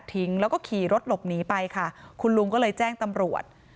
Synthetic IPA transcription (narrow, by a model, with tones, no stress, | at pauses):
t̪ʰi˨˦˥ŋlɛː˦˥wkɔː˥˩kʰiː˨˩ɾo˦˥t̪̚lo˨˩p̚niː˦˥pa˧jkʰa˥˩kʰu˧nlu˧ŋkɔː˥˩lɤː˧jt͡ɕɛː˥˩ŋt̪a˧mɾu˨˩ət̪̚